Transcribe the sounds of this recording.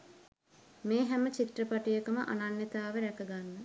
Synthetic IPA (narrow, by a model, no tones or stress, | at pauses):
meːɦɛmət͡ʃiʈrəpaʈijəkəmə̰ʔa̰nanːet̪aːʋəɾækəɡanːə